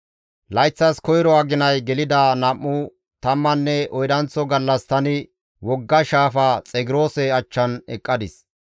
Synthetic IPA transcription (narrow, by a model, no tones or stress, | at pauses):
lɐjt͡sːɐskɔjɾɔaɡɪnɐjɡɛlɪd̪aːnɐmːʊ | t̪ɐmːɐnːɛɔjd̪ɐnt͡sːɔɡɐlːɐst̪ɐnɪ | wɔɡːɐʃaːfaːt͡sʼɛɡɪɾo̞ːsɛɐt͡ʃːɐnɛ̰kʼːɐd̪ɪs